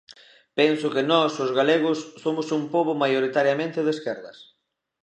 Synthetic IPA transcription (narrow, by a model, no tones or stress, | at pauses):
pɛnsʊkɪnɔsʊzɣaleɣ̞ʊsːomʊsumpoβʊmajoɾit̪aɾjamẽnt̪ɪðeskɛɾðɐs